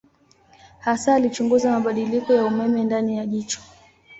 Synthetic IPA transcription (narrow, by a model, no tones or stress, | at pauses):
hasaːlit͡ʃuŋɡuzamaɓaɗilikɔjaumɛmɛndanijaʄit͡ʃɔ̥